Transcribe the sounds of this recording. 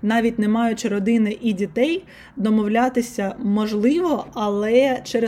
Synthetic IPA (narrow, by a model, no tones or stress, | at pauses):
nɑʋʲitʲnɛmɑjʊt͡ʃɾɔd̪ɪnɪʔidʲit̪ɛj | d̪ɔmɔwlʲat̪ɪsʲɐmɔʒlˠɪʋɔɐlˠɛt͡ʃɛɾ